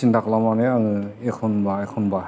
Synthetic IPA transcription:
indaklamaneaŋɯekʰɔnbaekʰɔnba

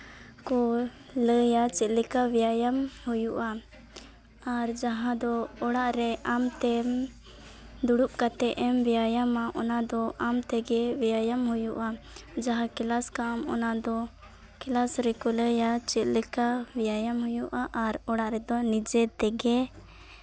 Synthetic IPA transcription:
kɔ | ləjat͡ʃɛt̪ləkawijajamhujuʔa | aɾd͡ʒaɦãd̪ɔɔɽaʔɾɛʔamt̪ɛm | d̪uɽup̚kat̪ɛʔɛmbijajamaʔɔnad̪ɔʔamt̪ɛɡɛwijajamɦujuʔa | d͡ʒaɦãkɛlaskamɔ̰nad̪ɔ | kɛlasɾɛkɔləjat͡ʃɛt̪ləkawijajamɦujuʔaʔːɾɔɽaʔɾɛd̪ɔnid͡ʒɛt̪ɛɡɛ

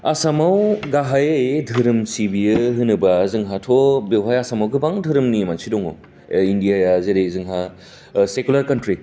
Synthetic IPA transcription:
asamawɡaɦajedʱɯɾɯmsibijɯɦɯnɯbazɯŋɦatʰobewɦajasamawɡɯbaŋdʱɯɾɯmnimansidɔŋo̰ | indijajazeɾezɯŋɦa | sekulaɾkantɾi

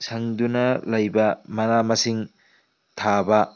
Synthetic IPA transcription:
sɐŋdunɐlɐjbɐmɐnamɐsiŋ | tʰabɐ

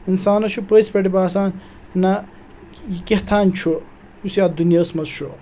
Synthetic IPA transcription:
insaːnɐʃʰupɐspɐʈibaːsaːn | nɐ | jikiht̪ʰaːnt͡ʃʰu | usjaːd̪unjɐːsmɐzʃʰu

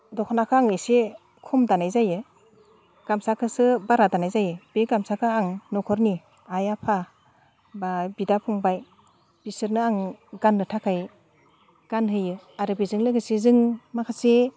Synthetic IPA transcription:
dɔkʰɔnakʰaaŋɯjse | kʰɔmdanajzajɯ | ɡ̥amsakʰɯsɯbaɾadanajzajɯbeɡamsakʰɯaŋnɔkʰɔɾni | ajapʰa | babidapʰɔŋbaj | b̥isɯɾnɯaŋɡanːɯtʰakʰaj | ɡ̥anɦɯjɯ | aɾɯbizɯŋlɯɡɯsezɯŋmakʰase

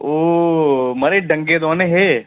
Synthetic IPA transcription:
o | mɐɾeɖʱə̃ŋɡed̪ʋaneɦe

